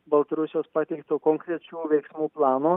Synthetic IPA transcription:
bɐlˠt̪ɐɾʊsʲɪjoːspɑt̪ʲɛɪkt̪oːkoːŋkɾʲɛt͡ʃʲuːʋʲɛɪksmuːplˠɑːnoː

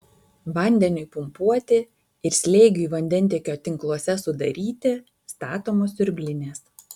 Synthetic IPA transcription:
ʋɐnʲd̪ʲɛnʲʊɪpʊmpuɔt̪ʲɪ | ɪɾsʲlʲeːɡʲʊiːʋɐnʲd̪ʲɛnʲt̪ʲiɛkʲoːt̪ʲɪŋklˠuɔsʲɛsʊd̪ɐ̰ɾʲiːt̪ʲɪ | st̪ɑːt̪oːmoːsʲʊɾʲbʲlʲɪnʲeːs

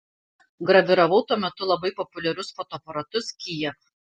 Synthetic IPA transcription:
ɡɾɐʋʲɪɾɐʋɐʊt̪uɔmʲɛt̪ʊlˠɐbɐɪpɔpʊlʲɛɾʲʊsfɔːt̪ɔːpɐɾɐt̪ʊskʲiːjɛ

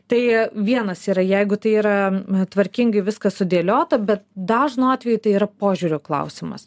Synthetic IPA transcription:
t̪ɐɪʋʲiɛnɐsiːɾɐjɛɪɡʊt̪ɐɪiːɾɐt̪ʋɐɾʲkʲɪŋɡɐɪʋʲɪskɐsʊd̪ʲeːlʲoːt̪ɐbʲɛt̪̚d̪ɑːʒnuɑːt̪ʲʋʲɛjʊt̪ɐɪiːɾɐpoːʒʲuɾʲʊːklˠɐ̰ʊsʲɪmɐ̰s

